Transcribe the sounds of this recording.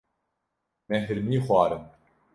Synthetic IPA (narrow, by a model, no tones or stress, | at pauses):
mɛɦɨɾmiːxwɑːɾɨm